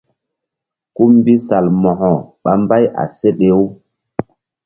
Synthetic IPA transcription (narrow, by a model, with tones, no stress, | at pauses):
ku˦mbi˦sa˨lmɔ˨hɔ˨ɓa˨mba˦jʔa̰˨se˦ɗe˦u˦